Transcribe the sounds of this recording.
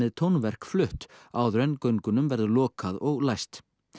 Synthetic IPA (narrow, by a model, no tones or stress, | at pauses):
ɪðt̪ʰownvɛr̥kflʏht̪aːwðɾɛnkœɥŋkʏnʏmvɛɾðʏlɔːkaðɔɣlajst̪